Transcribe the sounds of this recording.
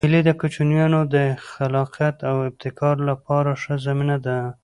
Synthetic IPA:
hɪled̪əkʊt͡ʃunjɑnod̪əxalɑqijat̪awɪb̚t̪ɪkɑɾlapɑɾaʂəzaminad̪a

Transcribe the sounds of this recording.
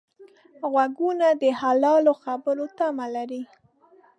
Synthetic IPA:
ɣwaɡunad̪əhalɑloxabəɾot̪amalaɾi

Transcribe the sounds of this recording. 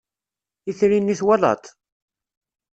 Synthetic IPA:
iθɾinːiθwalɑ̰t̪ˤ

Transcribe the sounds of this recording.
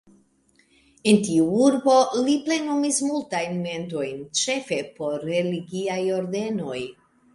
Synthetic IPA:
e̞ntiuuɾbo̞liple̞numismultajnme̞nto̞jnt͡ʃe̞fe̞po̞ɾːe̞liɡiajo̞ɾde̞no̞j

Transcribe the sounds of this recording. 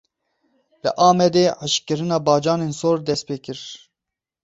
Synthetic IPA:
lɨ̰ʔɑːmɛd̪eːʕaʃkɨɾɨnɑːbɑːd͡ʒɑːneːnsoːɾd̪ɛst̪̚peːkɨɾ

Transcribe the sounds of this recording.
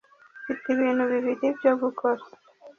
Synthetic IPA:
fit̪iβinuβiβiɾibɟoɡukʰɔɾ

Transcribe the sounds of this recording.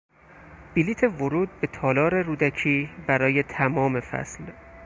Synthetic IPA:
b̥iliːt̪ʰe̞voɾuːd̪̚be̞t̪ʰɒːlɒːɾe̞ɾuːd̪æcʰiːbæɾɒːje̞t̪ʰæmɒːme̞fæ̰sl

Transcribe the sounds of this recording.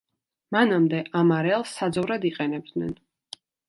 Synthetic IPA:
manamd̪ɛʔamaɾɛlˠsːad̪zɔvɾad̪iqʼɛnɛb̚d̪nɛ̰n

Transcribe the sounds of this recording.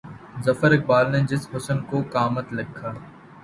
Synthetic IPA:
zəfəɾɪk̚baːlned͡ʒɪsbʊsənkoːkaːmət̪lɪkʰːaː

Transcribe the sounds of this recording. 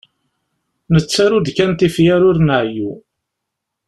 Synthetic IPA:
nət͡sːaɾud̪kænt̪ifjæɾʊɾnəʕju

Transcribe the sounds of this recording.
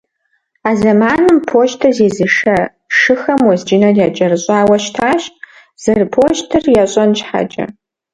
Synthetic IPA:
aːzɐmaːnɨmpʰoːʒtʰɐzeːzɨʂɐ | ʂɨxɐmwɔzd͡ʒɪnɐrjad͡ʒʼɐrɨɕʼaːwɐʃtʰaːʃtʼ | z̥ɨrpʰoːʒtʰɨrjaɕʼɔnt͡ʃħa̰t͡ʃʼɐ̰

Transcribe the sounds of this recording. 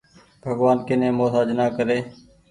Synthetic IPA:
bʱəɡʋaːnkɪnẽːmoːɦaːd͡ʒnaːkəɾeː

